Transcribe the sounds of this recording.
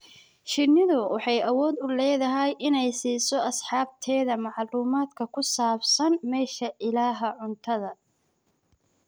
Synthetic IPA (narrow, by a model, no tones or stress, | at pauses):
ʃɪnɪðʊwʔɑħɑjʔɐwɔːd̪ʊlɛːðɐɦɛjʔɪnɛjsiːsɔʔɐsħɑːb̚t̪ʰɛːðɐmɑʕluːmaːd̪kʰɐkʰʊsaːbsɐnmɛːʃɐʔɪlaːɦɐʕʊnt̪ʰɐðɐ